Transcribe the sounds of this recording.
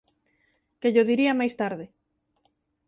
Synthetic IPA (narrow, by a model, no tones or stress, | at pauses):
keʎoðiɾiamajst̪aɾðɪ